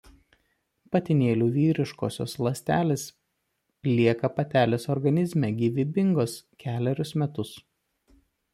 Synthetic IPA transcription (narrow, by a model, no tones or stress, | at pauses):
pɐt̪ʲɪnʲeːlʲuːʋʲiːɾʲɪʃkoːsʲo̰ːslˠɐsʲt̪ʲæːlʲeːs | lʲiɛkɐpɐt̪ʲæːlʲeːsɔɾɡɐnʲɪzʲmʲɛɡʲiʋʲɪbʲɪŋɡoːskʲæːlʲɛɾʲʊsmʲɛt̪ʊs